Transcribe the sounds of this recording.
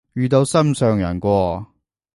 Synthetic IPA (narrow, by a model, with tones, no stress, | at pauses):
jyː˨˧t̪̬o˧wsɐ˥msœː˨ŋjɐ̰˨˩nkʷɔː˧